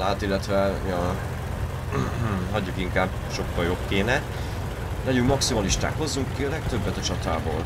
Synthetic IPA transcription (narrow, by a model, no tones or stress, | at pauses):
aːt̪ilːɛt̪ʋɛjɒ | ɦɒɟːukiŋkaːb | ʃo̞kːɒljo̞bkeːnɛ | lɛɟyŋkmɒksimɒliʃt̪a̰ːkho̞zːuŋkkiɒlɛk̚t̪ø̞bːɛt̪ɒt͡ʃɒt̪aːbo̰ːl